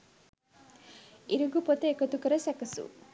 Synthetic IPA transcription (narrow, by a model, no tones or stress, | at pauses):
iɾuɡupot̪əekət̪ukəɾəsækəsṵ